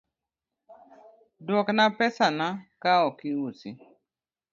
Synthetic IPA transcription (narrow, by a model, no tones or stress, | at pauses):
dwɔknapɛsanakaɔkiwusi